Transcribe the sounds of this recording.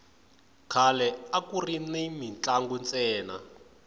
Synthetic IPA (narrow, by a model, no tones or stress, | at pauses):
kʰalɛakurinemint͡ɬaŋɡunt͡sʼɛːna̰